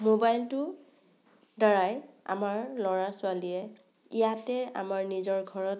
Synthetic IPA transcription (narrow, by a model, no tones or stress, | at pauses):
mobajltʊ | dɔɹaj | a̰maɹlɔɹasʊaliɛ | ijatɛa̰maɹnizɔɹɡʱɔɹɔt